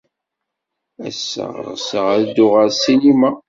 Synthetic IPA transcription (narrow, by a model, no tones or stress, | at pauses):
æ̰sːə̰ʁɾ̰səʁəɾd̪ːʊʁəɾsinima